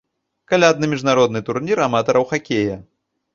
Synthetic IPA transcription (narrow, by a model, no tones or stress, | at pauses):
kalʲad̪nɨmʲiʐnaɾɔd̪nɨt̪urnʲiɾamat̪ɐɾɐwxakʲejɐ